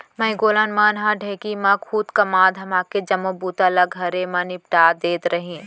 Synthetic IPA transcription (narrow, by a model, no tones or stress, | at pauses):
mɐ̃ĩɡoːlanmaːnɦãɖʱeːkimãkʰuːt̪kɐmaːd̪ɦɐmaːked͡ʒɐmõbuːt̪alɐɡʱɐɾemɐ̃nɪp̚ʈaːd̪eːt̪ɾɐɦĩː